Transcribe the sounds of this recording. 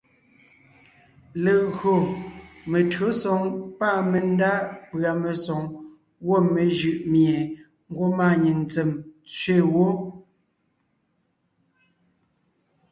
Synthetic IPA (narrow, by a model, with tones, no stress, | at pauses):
le˨ɣɰo˨me˨tɰo˨˦sɔ˨ŋpa˦˨me˨n˦da˦pɰa˨me˨sɔ˨ŋ | wo˦˨me˨ʒɯ˨ʔmje˨ | ŋ̩˦ɡwo˦ma˦˨ɲi˨ŋnt͡se˨mt͡sɥe˦˨wo˦